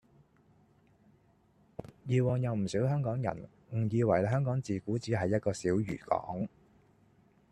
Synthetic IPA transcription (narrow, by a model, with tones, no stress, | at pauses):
jiː˨˧wɔː˨ŋjɐ˨wm̩˨˩siː˨˥wɦœː˥ŋkɔː˨˥ŋjɐ̰˨˩n | ŋ̩˨˩jiː˧wɐ˨˩jɦœː˥ŋkɔː˨˥ŋt͡siː˨kuː˨˥t͡siː˨˥ɦɐ˨jːɐ˥t̚kɔː˧siː˨˥wjy̰ː˨˩kɔ̰ː˨˥ŋ